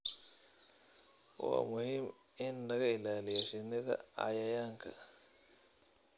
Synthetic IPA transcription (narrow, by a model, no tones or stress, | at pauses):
wɑ̰ːmʊhiːm | ɪnːɐɣɐɪlaːlɪjaʃɪnɐðɐ̰ɑ̰jɐjaːŋkʰɐ